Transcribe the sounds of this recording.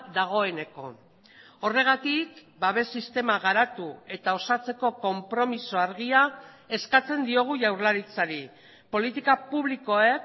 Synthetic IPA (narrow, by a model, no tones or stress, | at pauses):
ðaɣ̞o̞e̞ne̞ko̞̰ | o̞re̞ɣ̞at̪ik | baβesist̪e̞maɣ̞aɾat̪ue̞t̪ao̞sat͡se̞ko̞ko̞mpɾo̞miso̞aɾɣia | e̞skat͡se̞nd̪io̞ɣ̞uʝawɾlaɾit͡saɾi | po̞lit̪ikapuβliko̞ek